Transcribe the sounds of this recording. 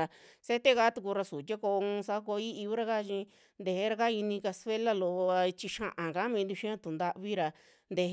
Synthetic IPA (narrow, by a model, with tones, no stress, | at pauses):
a˧se˦t̪e˦ka˦t̪u˧ku˧ɾa˧su˨t̪ʲa˦ko˧ũ˧sa˧˦ko˧i˦i˧u˦ɾa˧ka˦˧ʃĩ˧ | nd̪e˧he˧˦ɾa˧ka˦i˧nĩ˧ka˧sfe˦la˦˨lo˧˨ʔa˧t͡ʃi˧ʃã̰˧ʔã˨ka˨˦mĩ˧nd̪u˧ʃĩ˦ã˦t̪u˨nd̪a˧ʔβi˦ɾa˧ | nd̪e˧